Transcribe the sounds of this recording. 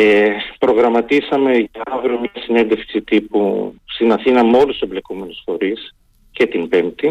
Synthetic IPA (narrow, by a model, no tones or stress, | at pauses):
epɾo̞ɣɾɐmɐt̪isɐme̞ʝɐɐvɾomɲɐsine̞nd̪efksit̪ipusinɐθinɐmeo̞lust̪semble̞kome̞nusfo̞ɾis | ce̞t̪impe̞mt̪i